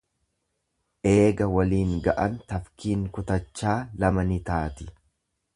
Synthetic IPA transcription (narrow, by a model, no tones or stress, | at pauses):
ʔe̞ːɡɐwɐliːŋɡɐʔɐnt̪ɐfkiːŋkʊt̪ɐt͡ʃːaːlɐmɐnɪt̪aːt̪ɪ̥